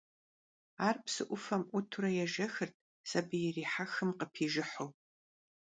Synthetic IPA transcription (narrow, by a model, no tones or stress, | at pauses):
aːrpʰsɨʔʷʊfɐmʔʷʊtʰuɾɐjɛʒɐxɨrtʰʼ | sɐbɨjɛriːħaxɨmqəpʰiːʒɪħow